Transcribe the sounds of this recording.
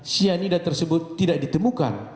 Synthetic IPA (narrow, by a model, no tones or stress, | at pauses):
sianidat̪ərsəbʊt̪ːidaʔ̚dit̪əmuka̰n